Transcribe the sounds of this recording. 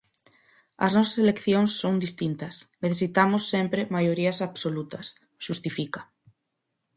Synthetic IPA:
ɐ̰znɔsḁselekθjoŋsːownd̪ist̪int̪ɐsneθesit̪amosːempɾemajoɾiasaβsolut̪ɐs | ʃust̪ifika

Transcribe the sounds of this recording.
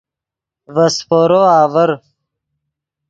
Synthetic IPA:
vɐspoːɾoaːvəɾ

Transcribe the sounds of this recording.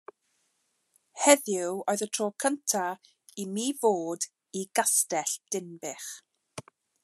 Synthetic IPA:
hɛðjʊwoːɨðətʰroːkʰəntʰa | imiːvoːd | iɡastɛɬd̥ɪnbɪχ

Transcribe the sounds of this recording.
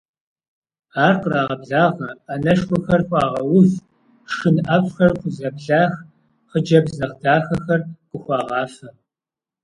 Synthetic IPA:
aːrqəraːʁɐbɮaːʁɐʔɐnɐʂkʷɔxɐrxʷɑːʁɐwʊf | ʂɨnʔɐpxɐrχʷʊzɐbɮaːx | χəd͡ʒɐbzɐʁdaːxɐxɐrqʊxʷɑːʁɑːfɐ

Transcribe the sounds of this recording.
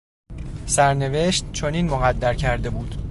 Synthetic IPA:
sæɾne̞ve̞ʃt̪̚t͡ʃʰoniːnmoɣæd̪ːæɾcʰæɾd̪e̞buːd̪̥

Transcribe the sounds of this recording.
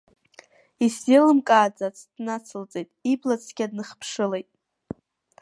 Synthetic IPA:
iszelɨmkʼaːd͡zʼat͡sʰd̥nat͡sʰɨlt͡sʼejtʼiblat͡sʰɡʲad̚nɨχpʰʂɨlejtʼ

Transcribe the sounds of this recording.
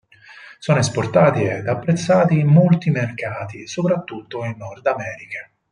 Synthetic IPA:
sɔːnoesport̪aːt̪ied̪apːɾet̪sːaːt̪imːolt̪imerkaːt̪isopɾat̪ːut̪ːoinːɔrd̪amɛːɾika

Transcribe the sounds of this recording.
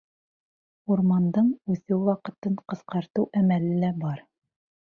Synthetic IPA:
uɾmɑnd̪ɤɴʉθɘwwɑqɤ̆t̪ɤɴqɤ̆sqɑɾt̪ɤwʔæmælɘlæbɑɾ

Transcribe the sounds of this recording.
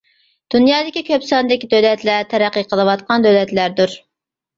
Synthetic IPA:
d̪̥unjɑːd̪ɪkʲikʲʰøpsɑnd̪ɪkʲid̪ølɛt̪læɾt̪ʰɛɾæqːəqʰəlˠɨwɑt̪qʰɑnd̪ølɛt̪læɾd̪uɾ

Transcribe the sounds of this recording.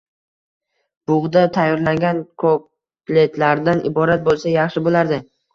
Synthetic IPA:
b̥ʊʁd̪at̪ʰajːɒɾlaŋɡʲankʰop | le̞t̪laɾd̪anʔɪbɒɾat̪̚bolˠsajɑχʃɪbolaɾd̪ɪ

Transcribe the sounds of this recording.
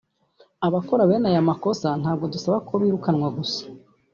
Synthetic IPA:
aβako̞ɾaβe̞ːnajamako̞san̥haːb̚ɡo̞dusaβakʰoβiːɾukanwaɡusḁ

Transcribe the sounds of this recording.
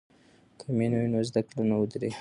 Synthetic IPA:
kʰamenujnozd̪aklunawud̪ɾe

